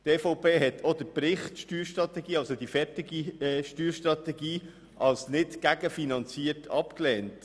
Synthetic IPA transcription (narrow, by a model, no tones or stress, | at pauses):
tɛːfɔʊpeːɦɛtʰod̪əpɾɪχtʃtyːɾʃtɾɑt̪ɛɡiːɑlsod̥ifɛɾtɪɡiʃtyːɾʃtɾɑt̪ɛɡiː | ʔɑlsnɪtɡ̥æɡ̥əfinɑnt͡siəɾtʰɑpklɛːnt